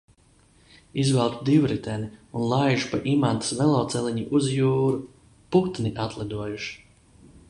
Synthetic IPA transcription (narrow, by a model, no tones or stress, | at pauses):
izvɛlˠt̪ud̪iwɾit̪ɛniunlˠajʒupaʔimant̪ḁsvɛlˠɔːt̪sɛliɲiʔuzjuːɾu | put̪niʔat̪lˠɛd̪uɔjuʃi̥